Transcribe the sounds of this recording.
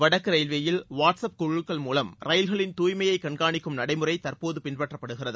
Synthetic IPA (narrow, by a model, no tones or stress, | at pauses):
ʋɐɽɐkːɯɾɐɪlʋeːjɪlʋaːʈsɐp̚kʊɻɯkːɐɭmuːlɐmɾɐjlɣɐɭɪnt̪uːjmɐjɐɪkɐɳɡaːɳɪkːɯmnɐɽɐɪmɯrɐɪt̪ɐrpoːðɯpɪnpɐʈrɐpːɐɽɯɣɪrɐðɯ